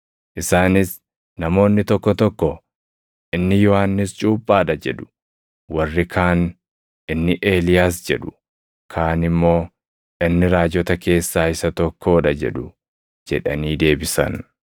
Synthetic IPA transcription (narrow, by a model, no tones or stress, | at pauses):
ʔɪsaːnɪs | nɐmo̞ːnːɪt̪ɔkːɔt̪ɔkːɔ | ʔɪnːɪjɔhaːnːɪst͡ʃʼuːpʼːaːᶑɐd͡ʒɛᶑʊ̥ | wɐrːɪkʰaːn | ʔɪnːɪʔe̞ːlɪjaːs̬d͡ʒɛᶑʊ̥ | kʰaːnɪmːo̞ː | ʔɪnːɪɾaːd͡ʒɔt̪ɐke̞ːsːaːɪsɐt̪ɔkʰːoːᶑɐd͡ʒɛ̰ᶑʊ | d͡ʒɛᶑɐniːd̪e̞ːbɪsɐ̰n